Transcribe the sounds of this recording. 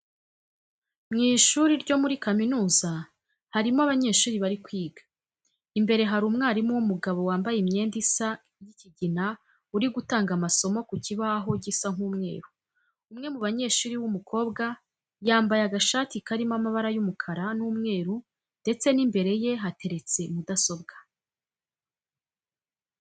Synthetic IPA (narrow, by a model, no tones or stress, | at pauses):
mŋiːʃuɾiɾɟo̞muɾikaminuːza | haɾimoaβaɲe̞ːʃuːɾiβaɾikwiːɡḁ | imbe̞ɾe̞ɦaɾuːmŋaːɾimuwumuɡaβo̞waːmbajemɲe̞ːndisa | jiciɟina | uɾiɡutaːŋɡamaso̞mo̞kuciβaɦo̞ɟisaŋuːmŋe̞̰ːɾu | umŋe̞muβaɲe̞ːʃuːɾiwumukʰo̞ːbɡa | jaːmbajaɡaʃaːtikaɾimamaβaɾajumukʰaɾanuːmŋe̞ːɾu | nde̞t͡se̞nimbe̞ɾe̞je̞ɦatʰe̞ɾe̞t͡se̞mudaso̞bɡḁ